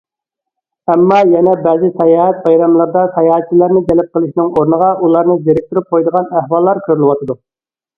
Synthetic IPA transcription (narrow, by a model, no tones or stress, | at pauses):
ɛmːɑjɛnɛbɛːzɪsɑjɑːɦɛt̪̚bɑjɾɑmlˠəɾd̪ɑsɑjɑːɛt̪t͡ʃːilæɾnɪd͡ʒ̪ɛlɛp̚qəlˠɪʃnɪŋoɾnəʁɑʔulˠɑɾnɨd̪eɾɪk̚ʲt̪uɾyp̚qʰojd̪əʁɑnæhwɑlˠːɑɾkʲʰøɾylɪwɑt̪ʰɨd̪u